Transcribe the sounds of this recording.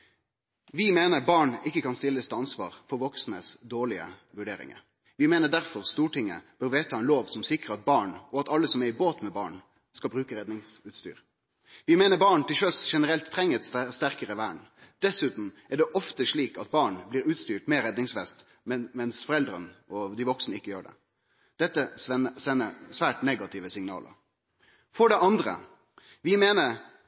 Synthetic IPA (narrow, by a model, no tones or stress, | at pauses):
ʋɪmeːnəʁbɑːɳɪkːəkʰɑnst̪ɪlːəst̪ʰɑnsʋɑ̰ːʁfɔɾʋɔksnəsd̪oːɭɪə̰ʋʉɖeːɾɪ̰ŋə̰ɾ | ʋɪmeːnəd̪æʁfɔʁst̪uːʈɪŋːə̰b̥øːɾʋeːt̪ʰɑɛnloːʋsɔmsɪkʁəɑt̪̚bɑːɳɔɑt̪ɑlːəsɔmɛʁɪboːt̪mɛbɑ̰ːɳ | skɑlbɾʉːkəɾɛd̪nɪŋsʉːt̪st̪y̰ːʁ | ʋɪmeːnəbɑːɳt̪ɪlʃœsʃɛnəɾɛlt̪ʰːʁɛŋːəɛt̪st̪æʁkəʁəʋæːɳd̪̥ɛsʉːt̪n̩ɛɖɛʔɔft̪əʂɭiːkɑt̪̚bɑːɳbliːɾʉːt̪st̪yːʈmeːɾɛd̪nɪŋsʋɛst̪ | mmɛnsfɔɾɛld̪ɾə̰nəɔd̪ɪʋɔksnəɪkːəjøːɖɛ̰ | d̪̥ɛt̪ːəɛəsɛnːəsʋæːʈnɛɡɑt̪ʰɪʋəsɪŋnɑ̰ːlʔə̰ɾ | fɔɖɛʔɑnd̪ʁə̰ | ʋɪmeːnəɾ